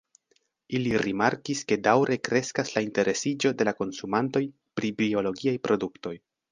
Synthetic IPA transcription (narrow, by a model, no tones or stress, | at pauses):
iliɾimaɾkiske̞dawɾʔe̞kɾe̞skaslainte̞ɾʔe̞sid͡ʒo̞de̞lako̞nsumanto̞j | pɾibio̞lo̞ɡiajpɾo̞dukto̞j